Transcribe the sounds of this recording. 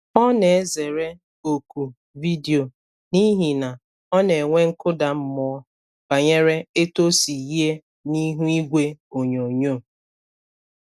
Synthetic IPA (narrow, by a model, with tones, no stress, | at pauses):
ɔ˦ne˨e˦ze˨ɾe˦ | o˨ku˨ | vi˦di˨o˨ | ni˦ɦi˨na˨ | ɔ˦ne˨ŋʷe˦ŋ̩˦kʊ˦da˨m̩˦mɔ˦˨ɔ˦ | b̥a˨ɲe˦ɾe˦e˦to˦si˨ji˦e˦ | ni˦ɦu˦i˦ɡʷe˦o˨ɲo˨ɲo˦˨